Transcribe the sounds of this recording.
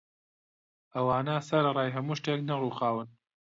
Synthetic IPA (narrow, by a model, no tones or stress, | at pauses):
ʔɐwaːnɐsɐɾrˤɑːjɦɐmuːʃt̪eːknɐruːxaːwɨn